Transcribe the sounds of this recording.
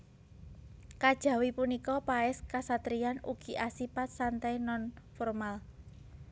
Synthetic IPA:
kad̥ʒ̥ä̤wipunikɔpaɛskasat̪ɾijanuɡ̥i̤ʔasipat̪̚sant̪ajnɔnfɔrmal

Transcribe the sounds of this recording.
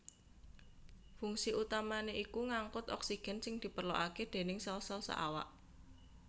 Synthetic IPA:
fuŋsiʔut̪amaneʔikuŋaŋkʊt̪ɔ̰ksiɡ̥ɛ̤nsɪŋd̪̥i̤pərlo̰ʔaked̪̥e̤nɪŋsɔlsɔlsɔ̰ʔa̰wa̰ʔ

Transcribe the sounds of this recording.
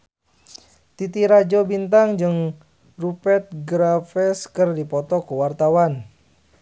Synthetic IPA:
t̪it̪iɾad͡ʒobint̪aŋd͡ʒɨŋ | rupɛt̪̚ɡɾafɛskərdipɔt̪ɔkuwart̪awan

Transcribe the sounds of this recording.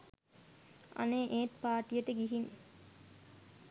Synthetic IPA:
ʔɐ̰neːʔeːʈ̪̚paːɾʈijɐʈəɡiɦin

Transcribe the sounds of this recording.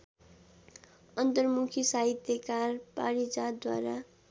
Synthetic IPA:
ʌnt̪ʌrmukʰisaɦit̪jekarpaɾid͡zad̪wa̰ɾa

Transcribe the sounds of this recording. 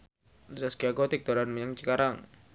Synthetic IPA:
zaskiaɡɔt̪ik̚t̪ɔɾanməɲaŋt͡ʃəkaɾaŋ

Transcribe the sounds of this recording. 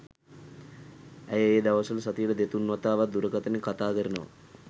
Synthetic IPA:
æjəeːd̪aʋəsələsat̪ijələd̪et̪unːʋat̪aːʋat̪̚d̪uɾəkat̪ənikat̪aːkəɾənəʋa̰

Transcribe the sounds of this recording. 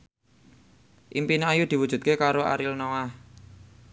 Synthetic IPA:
ʔimpinajud̪̥iwud̥ʒ̥ṳt̪̚kekaɾoa̰ɾilnoah

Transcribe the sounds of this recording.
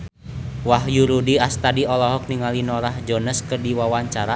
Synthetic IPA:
wahjuɾudiast̪adiɔlɔɦɔk̚niŋalinɔɾahd͡ʒɔnəskɨrdiwawaɲt͡ʃaɾa

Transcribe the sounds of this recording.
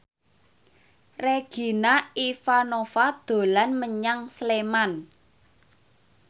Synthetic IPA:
reɡ̥i̤naifanofad̪̥o̤lanməɲaŋsleman

